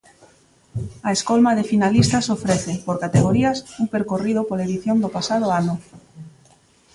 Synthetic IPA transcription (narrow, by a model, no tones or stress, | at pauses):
aeskolmaðefinalist̪asofɾeθepoɾkat̪eɣ̞oɾiasumpeɾkorið̞opolaeðiθjond̪opasaðʊanʊ